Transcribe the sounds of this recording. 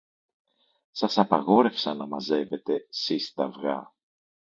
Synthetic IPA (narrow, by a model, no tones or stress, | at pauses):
sɐsɐpɐɣo̞ɾe̞fsɐnɐmɐze̞ve̞t̪e̞sist̪ɐvɣɐ̰